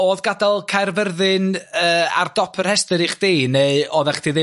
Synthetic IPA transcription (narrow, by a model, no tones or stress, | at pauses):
oːðɡadalˠkʰarvərðɨnəːa̰rdɔpʰər̥hɛstəɾiχd̥eneɨɔðɛχd̥iðɪ